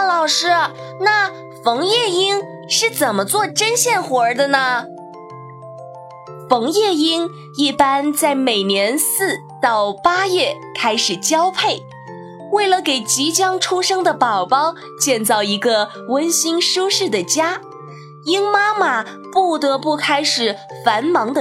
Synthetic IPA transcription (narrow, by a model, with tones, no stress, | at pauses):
lɑ˨˩ʊʂɻ̩˥˧na˥˩ | fɤ˧˥ŋjɛ˥˩i˥ŋ | ʂɻ̩˥˩t͡sə˨˩nmə˧˦t͡swɔ˥˩ʈ͡ʂə˥nɕjɛ˥˩nxwɔ˧˥d̪ə˧nə˧ | fɤ˧˥ŋjɛ˥˩i˥ŋ | i˥˩pa˥nt͡sa˥˩ɪme˨˩ɪnjɛ˧˥nsɹ̩˥˩ | t̪ɑ˥˩ʊpa˥jɛ˥˩ | kʰa˥ɪʂɻ̩˨˩t͡ɕjɑ˥ʊpʰe˥˩ɪ | we˥˩ɪlə˩ke˨˩ɪt͡ɕi˧˥t͡ɕjɑ˥ŋʈ͡ʂʰu˥ʂɤ˥ŋd̪ə˨pɑ˨˩ʊpɑ˥ʊ | t͡ɕjɛ˥˧nt͡sɑ˥˩ʊi˧˥ɡə˧ | wə˥nɕi˥ŋʂu˥ʂɻ̩˥˩d̪ə˩t͡ɕja˥ | i˥ŋma˥ma˨˩ | pu˥˩t̪ɤ˧˥pu˥˩kʰa˥ɪʂɻ̩˨˩˦ | fa˧˥nmɑ˧˥ŋd̪ə˧